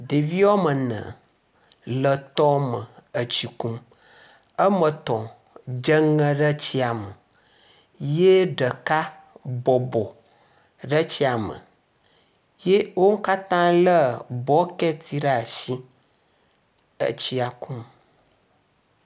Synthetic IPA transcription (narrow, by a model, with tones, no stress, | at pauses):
ɖe˨vi˦wɔ˦mə˨nə̰̃˨ | lə˨t̪ɔ˦mə˨ə˨t͡ɕi˨kũ˦m | ə˦mə̃˨t̪ɔ̃˨ | d͡ʒə˦ŋə̃˦ɖə˦t͡ɕi˦a˨mə˨ | je˦ɖə˨ka˦ | bɔ˨bɔ˨ | ɖə˦t͡ɕi˦a˨mə̰̃˨ | je˦wo˦ŋ̩˦ka˦t̪ã˦lə˦bɔ˦kɛ˦t̪ʰi˦ɖa˦a˨ʃi˦ | ə̰˨t͡ɕi˦a˨kũ˦m